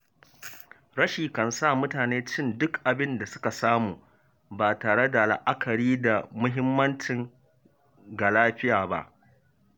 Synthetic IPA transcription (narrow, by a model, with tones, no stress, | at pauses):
ɽɐ˦ʃiː˨kɐ˨nsa˦˨mʊ˦taː˨neː˦t͡ʃɪ˦˨ndʊ˦kʔa˨bɪ˦nda˨sʊ̥˦ka˨saː˦muː˨ | baː˨taː˨ɽe˦da˨la̰˨ʔa˦kʰɐ˨ɽiː˦da˨mʊ˦ɦɪ˦mːɐ˦nt͡ʃɪ˨ŋ | ɡa˨laː˦ɸɪ˦jaː˨ba̰˦ʔ